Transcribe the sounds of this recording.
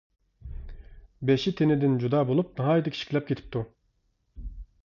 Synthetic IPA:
bɛʃit̪ʰenɪd̪ɪnd͡ʒud̪ɑːbolˠup̚nɑɦɑːjd̪ikʰʲi̥ʃi̥kʰʲlʲɛp̚kʲet̪ʰi̥p̚t̪ʰu

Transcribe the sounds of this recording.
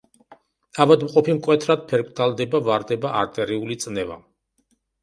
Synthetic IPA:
avad̪mqʼɔpimkʼwɛt̪ʰɾad̪̥̚pʰɛɾkʰʼt̪ʰalˠd̪ɛbavaɾd̪ɛbaʔaɾt̪ʼɛɾiulit̪sʼnɛva̰

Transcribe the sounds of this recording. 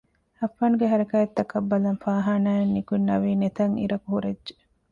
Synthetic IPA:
ɐfːaːnuɡeɦɐɾɐkaːet̪ːɐkɐbːɐlɐnfaːɦaːnaːenːikunːɐʋiːnet̪ɐŋḭɾɐkuhuɾedʒe̥

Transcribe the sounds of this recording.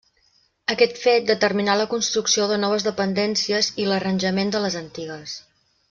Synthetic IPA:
əkɛt̪fet̪̚d̪ət̪ərminaləkunst̪ɾuksioðənɔβ̞əzðəpənd̪ɛnsiəzilərənʲʒəmend̪ələzənt̪iɣəs

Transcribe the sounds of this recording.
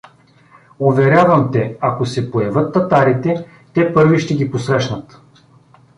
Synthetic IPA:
ovɛɾʲavɐmt̪ɛakosɛpojɐvɤt̪ːɐt̪aɾit̪ɛ | t̪ɛpɤɾviʃt̪ɛɡʲiposɾɛʃnət̪

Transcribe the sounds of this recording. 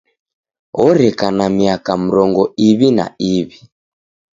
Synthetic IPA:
ɔɾɛkanamiakam̩ɾɔŋɡɔiβina̰iβi

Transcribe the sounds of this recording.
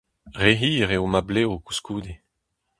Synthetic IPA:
ʁeɦiːʁeomableːoku̥skuːd̪e

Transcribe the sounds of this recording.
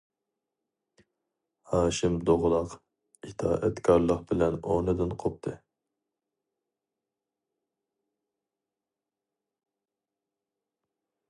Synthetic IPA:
hɑːʃɪmd̪oʁlˠɑq | it̪ʰɑ̰ːʔɛt̪kʰɑɾlˠəqbɪlɛnonɨd̪ɨnqʰop̚t̪ʰɨ

